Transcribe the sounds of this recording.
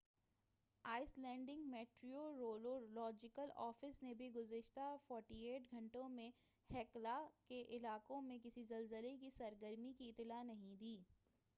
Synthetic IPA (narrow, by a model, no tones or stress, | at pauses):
aːɪslɛ̃ːɳɖɪ̃ŋɡmeːʈɾioɾoːlolɔːd͡ʒɪkəlɔːfɪsnebʱiɡʊzɪʃt̪afɔːɾʈieːʈɡʱɐ̃ɳʈõmẽ | hɛːklakeʔɪlaːkõmẽk̬ɪsizɐlzəlek̬isɐɾɡəɾmikit̪ːɪlanɐɦĩd̪iː